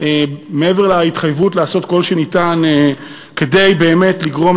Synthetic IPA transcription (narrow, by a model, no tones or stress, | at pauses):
emeeveʁlait̪χajvutlaːso̞tko̞lʃenitane | ke̞dejbe̞ːme̞tliɡʁo̞m